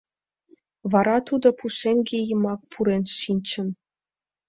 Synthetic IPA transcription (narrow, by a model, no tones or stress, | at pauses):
βɑɾɑt̪ud̪opuʃeŋɡejə̆mɑk̚pʰuɾenʃinʲt͡ɕə̆n